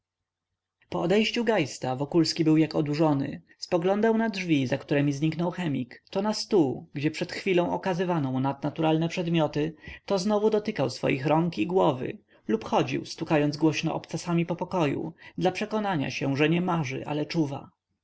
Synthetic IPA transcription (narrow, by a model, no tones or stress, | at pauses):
pɔɔd̪ɛjɕt͡ɕuɡajst̪avɔkulskʲibɘwjakɔd̪uʐɔnɘ̰spɔɡlɔnd̪awnadʐvʲizakt̪uɾɛmʲizɲiknɔwxɛmʲikt̪ɔnast̪uɡd͡ʑɛpʂɛt̪xfʲilɔ̃w̃ʔɔkazɘvanɔ̃mnad̪̚nat̪uɾalnɛpʂɛd̪mʲɔt̪ɘt̪ɔznɔvud̪ɔt̪ɘkawsfɔ̰jixɾɔŋkiɡwɔvɘ̰ | lupxɔd͡ʑḭwst̪ukajɔnzɡwɔɕnɔ̰ʔɔpt̪sasamʲipɔpɔkɔjṵd̪lapʂɛkɔnaɲa̰ɕɛʐɛɲɛmaʐɘ̰ʔa̰lɛt͡ʂuva̰